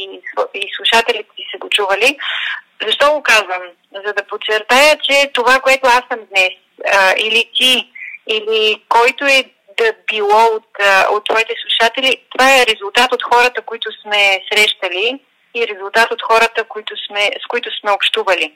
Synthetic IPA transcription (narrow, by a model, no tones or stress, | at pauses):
iislˠuʃat̪ɛlit̪ɛ̥sisɛɡot͡ʃuvəlizɐʃt̪ɔɡokazvəm | zɐd̪ɐpot͡ʃɛɾt̪ajət͡ʃɛt̪ovakoɛt̪oasəmd̪nɛs | ilit̪iilikɔjt̪oɛ | d̪ɐbilˠɔot̪ot̪ːvɔit̪ɛslˠuʃat̪ɛlit̪ovaɛɾɛzulˠt̪at̪ot̪xɔɾət̪əkoit̪ʊsmɛsɾɛʃt̪əli | iɾɛzulˠt̪at̪ot̪xɔɾət̪əkoit̪ʊsmɛskoit̪ʊsmɛopʃt̪uvəli